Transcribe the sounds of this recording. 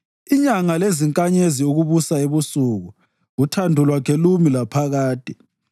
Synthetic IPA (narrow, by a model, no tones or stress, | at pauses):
iɲaŋaleziŋkʼaɲeziuɣuβusaeβusuɣu | ɣutʰandʱulwakʰɛlumilapʰaɣaːd̥ʼʱɛ